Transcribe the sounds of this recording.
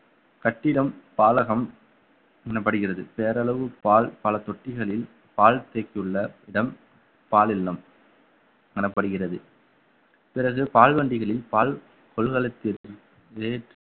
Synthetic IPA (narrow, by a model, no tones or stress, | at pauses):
kɐʈːɪɽɐmpaːlɐɣɐm | ŋɐnɐpːɐɽɯɣɪrɐðɯpeːɾɐɭɐʋɯpaːlpɐlɐt̪ɔʈːɪɣɐɭɪl | paːlt̪eːkːɪɯɭːɐɪɽɐm | paːlɪlːɐm | ŋɐnɐpːɐɽɯɣɪrɐðɯ | pɪrɐɣɯpaːlʋɐɳɖɪɣɐɭɪlpaːɭ | kɔɭɣɐɭɐt̪ːɪɾ | eːʈ